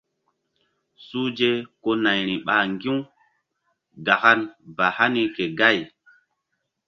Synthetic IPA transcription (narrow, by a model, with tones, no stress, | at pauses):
su˦d͡ʒe˦ko˦na˨jɾi˨ɓa˨ŋɡi˦ | ɡa˨xa˦nba˨ha˦ni˦ke˨ɡa˦˨j